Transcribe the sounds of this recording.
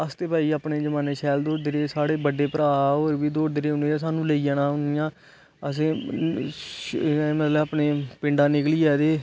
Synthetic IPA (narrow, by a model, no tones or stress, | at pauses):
əst̪eːpaːiːaːpɳeːd͡ʒəmãːneːʃʰɛːld̪oːɖd̪ɪɾeːsaːɽeːbəɖeːpəɾaːoːɾbiːd̪oːɖd̪ɪɾeːʊneːaːs̬aːnũːləiːaːnãːʊnɪjãː | əs̬ẽː | mət̪ləbaːpneːpɪ̃ɳɖãːnɪkliːɛːd̪eː